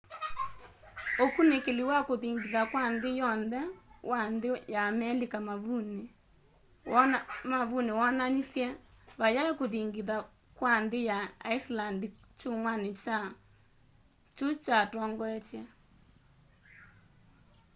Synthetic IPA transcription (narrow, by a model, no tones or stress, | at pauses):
okunekeliwakoðiŋɡiðakwanðejɔnðɛwʔandejamɛlikamaβune | wmaβunewɔnanisjɛβajakoðiŋɡiða | kwandejaaislandit͡ʃoŋwanet͡ʃa | t͡ʃot͡ʃatɔːŋɡɔɛt͡ʃɛ